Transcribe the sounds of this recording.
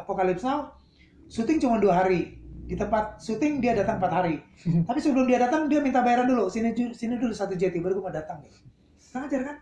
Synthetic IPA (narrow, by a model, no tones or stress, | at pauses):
pokalɪp̚snaw | sut̪ɪŋt͡ʃumanduaɦaɾidit̪əmpat̪̚sut̪ɪŋdiadat̪aŋmpat̪haɾi | t̪apisəblʊŋdiadat̪aŋdiamint̪abaeɾandulusinid͡ʒusinidulusat̪ud͡ʒat̪ibəɾɡumadat̪aŋ | aŋad͡ʒarkan